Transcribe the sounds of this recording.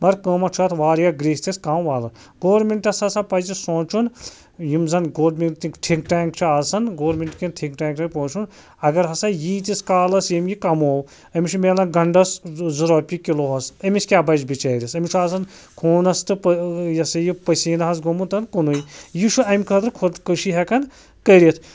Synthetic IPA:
mɐɾkəːmɐt͡ʃʰuaːt̪ʰʋaːɾjaɡɾiːst̪ʲiskaːmʋaːlɐ | ɡoːɾmiɳʈɐsɐsapɐzisõːt͡ʃʰun | jimzɐnɡoːɾmit̪ikʈʰiŋkʈaːŋkt͡ʃʰuaːsɐnɡoːɾmʲeɳʈkinʈʰiŋkʈaːŋkʰɐnʲpoːt͡ʃʰun | ɐɡɐɾɦɐsajiːt̪ʲiskaːlɐsjɐmʲjikɐmoːw | ɐmit͡ʃʰumeːlɐnɡɐɳɖɐszuɾoːpʲikiloːɦɐsɐmʲiskʲjaːbɐd͡ʒbit͡ʃɐːɾʲisɐmit͡ʃʰuaːsɐn | kʰoːnɐst̪ɨpjɐsɐjipɐsiːnɦɐs̬ɡomunt̪ɐnkunujjiʃʰuɐmʲkʰɐt̪ɾɨkʰokəʃiɦekɐn | kɐɾʲit̪ʰ

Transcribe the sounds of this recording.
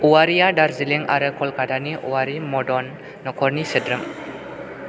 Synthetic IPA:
uaɾijadaɾziliŋa̰ɾɯkʰɔlkadaniʔuwaɾimɔdɔnː | ɔkʰɔɾnisədɾɯm

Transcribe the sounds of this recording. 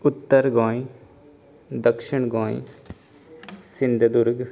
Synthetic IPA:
ʊt̪ːəɾɡɔ̃ːĩ | d̪əkʃɪɳɡɔ̃ːḭ | sɪnd̪d̪ʊɾɡ

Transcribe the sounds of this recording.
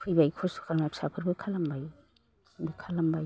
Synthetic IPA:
pʰɯjbajkʰɔsu̥kʰaɾmapsapʰɯɾbɯkʰalambaj | bɯkʰalambaj

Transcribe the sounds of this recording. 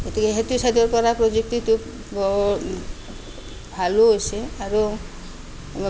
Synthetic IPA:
t̪ikeɦet̪usad̪ʱɔɾpɔɾapɾod͡ʒek̚tit̪u | bɔ | bʱaloɦojseaɾo

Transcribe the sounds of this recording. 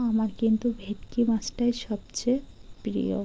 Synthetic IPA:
amaɾkint̪ubʱet̪kimasʈaeʃɔbt͡ɕepɾḭjo̰

